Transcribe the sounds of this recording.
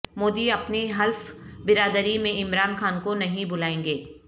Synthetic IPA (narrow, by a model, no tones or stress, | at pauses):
moːd̪iɐpniɦɐlfbɪɾaːd̪əɾimẽɪmɾaːnxaːnkonɐɦĩbʊlaːẽːŋɡeː